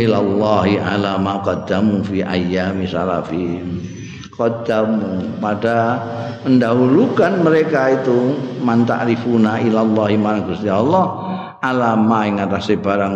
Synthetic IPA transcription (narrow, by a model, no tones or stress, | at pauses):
ilalːɑɦiʔa̰lamaqɑd̪amufiʔa̰jːamisa̰la̰fi | kɑd̪amupada | məndaɦulukanməɾekait̪umant̪a̰ʔɾifunailalːɑɦimaɾahɡust̪ijaɔlːɔh | ʔalamaɪŋat̪asebaɾaŋ